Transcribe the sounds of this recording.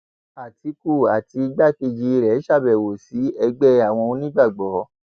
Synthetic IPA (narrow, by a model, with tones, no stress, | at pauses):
a˨tʰi˨˧ku˦˨a˨ti˧i˧ɡ͡ba˦˨ki˧˨d͡ʒi˧ɾɛ˨˦ʃa˦˨bɛ˨wo˨si˨˦ɛ˧ɡ͡bɛ˦a˨w̃ɔ̃˧o˧nĩ˦ɡ͡ba˦˨ɡ͡bɔ˨˦